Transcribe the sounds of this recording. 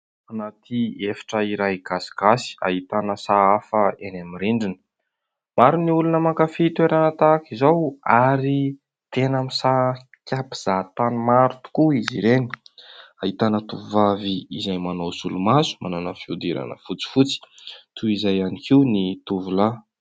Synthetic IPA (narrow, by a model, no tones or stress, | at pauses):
anat̪ʰiefḁʈ͡ʂəiɾajɡaskasi̥a̰ɦit̪anəsaafəenamiɾiɳɖ͡ʐinə̥ | maɾuniulunəmakafiit̪weɾanət̪akizawaɾi | t̪enamisa | kʰʲapi̥z̥at̪animaɾut̪u̥kuiziɾeni̥ait̪anət̪uvaviːzajmanowsulumazu̥mananəfiud̪iɾa̰nə̰fut͡si̥fut͡si̥t̪ʰuizajanikʰiwnit̪uvula